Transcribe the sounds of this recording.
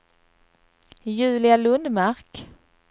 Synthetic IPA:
jʉ̟ːlɪalɵnd̪maɾk

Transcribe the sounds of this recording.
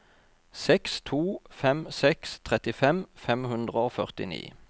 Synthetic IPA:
sɛkst̪ʰuːfɛmsɛkst̪ʰʁɛt̪ɪfɛmfɛmhʉnd̪ʁəoːfœʁt̪ɪ̰nḭː

